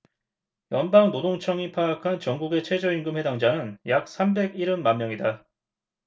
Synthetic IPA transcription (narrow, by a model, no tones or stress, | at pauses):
jʌnbaŋnodoŋt͡ɕʰʌŋipʰaɡakʰant͡ɕʌŋɡuɡe̞t͡ɕʰe̞d͡ʑʌinɡɯmhwe̞daŋd͡ʑanɯnjak̚s͈ʰambe̞ɡiɾɯnmanmːjʌŋida